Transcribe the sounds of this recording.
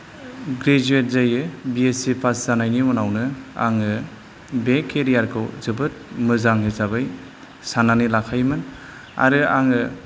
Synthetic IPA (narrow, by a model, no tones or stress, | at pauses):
ɡɾed͡ʒuet̚zajɯbiesipʰaszanajnimɔnawnɯa̰ŋɯ | bekʰeɾijaɾkʰɯwzɯbɯt̚mɯzaŋɦezabɯj | sananilakʰajmɯn | a̰ɾɯa̰ŋɯ